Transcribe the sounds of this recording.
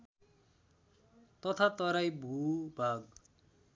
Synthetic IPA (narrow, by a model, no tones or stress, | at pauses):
t̪ʌt̪ʰat̪ʌɾajbʱubʱaɡ